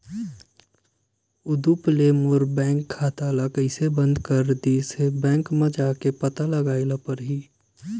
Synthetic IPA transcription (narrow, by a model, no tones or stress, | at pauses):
ʊd̪uplemuɾbɛ̃ːŋkʰːaːt̪alakəɪsebə̃nd̪kəɾd̪isebɛ̃ːŋkmẽd͡ʒaːkepət̪aləɡaːɪlapəɾɦiː